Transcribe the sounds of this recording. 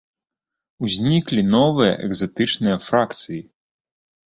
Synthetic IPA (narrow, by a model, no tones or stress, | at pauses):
uzʲnʲiklʲinɔvɨjɐ̰ʔɛ̰ɡzat̪ɨt͡ʂnɨjɐfɾakt̪sɨji